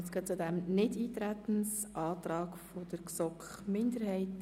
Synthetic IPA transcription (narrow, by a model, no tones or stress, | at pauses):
sɡ̥øːt͡sʊdɛmnɪdiːt̪ɾæt̪ən̩sʔɑːt̪ɾɑːɡfɔd̥̪əɾksɔkχmɪndəɾhɛɪt